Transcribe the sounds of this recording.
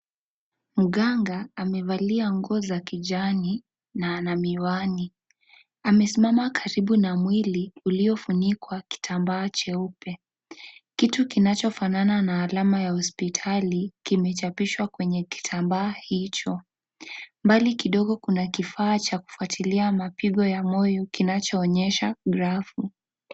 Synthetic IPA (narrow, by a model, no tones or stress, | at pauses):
muɡɠaŋɡaːmɛvaliaŋɡɔzakiʄani | naːnamiwani | amɛsimamakʰaɾiɓunamwiliuliɔfunikwaki̥tʰambaːt͡ʃɛupɛ | kitukinat͡ʃɔfanananaːlamajahɔspitʰalikimɛt͡ʃapiʃwakwɛɲɛki̥tʰambaːhit͡ʃɔ | mbalikiɗɔɠɔkunakifaːt͡ʃaku̥fuatʰiliamapiɠɔjamɔjɔkinat͡ʃɔːɲɛʃaɡɾafu